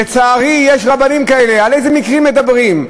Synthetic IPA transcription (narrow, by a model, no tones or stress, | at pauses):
et͡saːʁijeʃʁabanimkae̞lealejzemikʁimːe̞d̪abʁim